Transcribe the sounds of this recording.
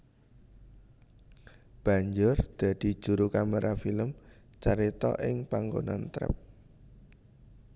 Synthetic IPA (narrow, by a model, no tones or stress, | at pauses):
b̥a̤ɲd͡ʒʊrd̪̥a̤d̪̥i̤̥ʒ̥ṳɾukamaɾʔafiləm | t͡ʃaɾit̪ɔ̰ʔɪŋpaŋɡonant̪ɾə̰p̚